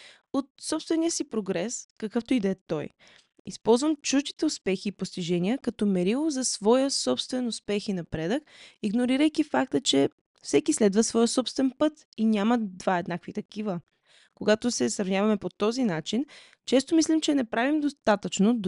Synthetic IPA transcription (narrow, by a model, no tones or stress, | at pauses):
ot̪sɔpst̪vɛniəsipɾoɡɾɛskɐkɤft̪oid̪ɛt̪ɔj | ḭspɔlˠzvəmt͡ʃuʒd̪it̪ɛʊspɛxiːpost̪iʒɛniəkɐt̪ɔmɛɾilˠozɐsvɔjəsɔpst̪vɛnʊspɛxinɐpɾɛd̪əkiɡnoɾiɾəjkifak̚t̪ət͡ʃɛ | fsɛkislɛd̪vəsvɔjəsɔpst̪vɛnpɤt̪ | inʲaməd̪vaɛd̪nakvit̪ɐkivə | koɡat̪osɛsɾɐvnʲavɐmɛpot̪ɔzinat͡ʃin | t͡ʃɛst̪omislʲimt͡ʃɛnɛpɾavimd̪ost̪at̪ət͡ʃno